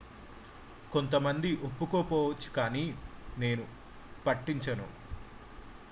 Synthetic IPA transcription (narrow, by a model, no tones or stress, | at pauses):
ko̞nt̪̬ɐmɐnd̪iʔopːukoːpɔːʋɐt͡ʃːu̥kaːniːne̞ːnu | pɐʈːiɲt͡ʃɐnu